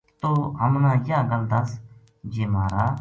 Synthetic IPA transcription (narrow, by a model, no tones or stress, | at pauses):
t̪oːɦəmnãːjaːɡəld̪əs | d͡ʒeːmaːɾaː